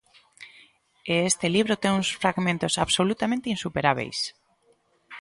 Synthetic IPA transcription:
eest̪eliβ̞ɾot̪eŋuŋsfɾaɣmẽnt̪osaβsolut̪amẽnt̪einsupeɾaβ̞ḛjs

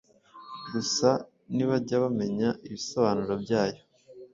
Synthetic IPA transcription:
ɡusa | niβaɟaβame̞ɲaiβisoβaːnuɾobɟaːjo

